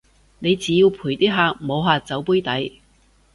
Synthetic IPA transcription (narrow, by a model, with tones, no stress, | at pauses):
ne˨˧jt͡siː˨˧jiː˧wpʰuː˨˩jt̪iː˥ɦaː˧k̚mo˨˧wɦaː˨˧t͡sɐ˨˥wpuː˥jt̪ɐ˨˥j